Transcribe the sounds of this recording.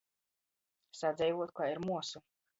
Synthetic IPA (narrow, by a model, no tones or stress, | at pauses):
sad̪zʲɛjvuɔt̪̚kaːiɾmuɔsu